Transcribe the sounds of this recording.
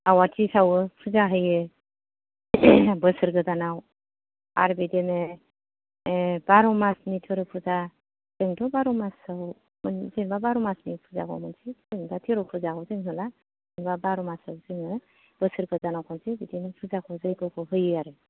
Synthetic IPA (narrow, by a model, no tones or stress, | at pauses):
awatʰisawɯpʰuzaɦɯjɯ | bɯsɯɾɡɯzanaw | a̰ɾbideme | baɾɔmasnitʰɔɾɯpʰuza | z̥eŋtɔbaɾɔmasaw | mnzeŋbabaɾɔmasnipʰuza̰ɡɔ̰mɯnsizeŋbatʰeɾɔpʰuzakʰɔwzeŋhʰɔla | eŋbabaɾɔmasawzɯŋɯ | b̥əsɯɾɡɯzanawkʰɔnsibidimepʰuzakʰɔzajkɔkʰɯɦɯjɯaɾɯ